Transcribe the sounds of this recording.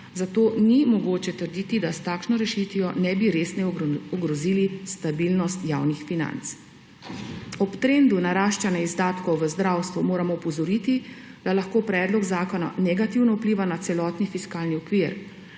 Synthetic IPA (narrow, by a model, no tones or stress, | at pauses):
zat̪oːnimɔɡoːt͡ʃɛt̪əɾd̪iːt̪id̪ast̪aːkʃnɔɾɛʃit̪ʋijɔnɛbiɾeːsnɛɔɡɾɔzilist̪abilnɔst̪jaːwnixfina̰nt̪s | ɔpt̪ɾend̪unaɾaːʃt͡ʃanaizd̪aːt̪kɔwʋəzd̪ɾawst̪ʋumoːɾamɔupɔzɔɾit̪id̪̥alaxkoːpɾɛːd̪lɔkzaːkɔna̰nɛɡat̪iwnɔupliːʋanat̪sɛlɔːt̪nifiskaːlniɔkʋiːɾ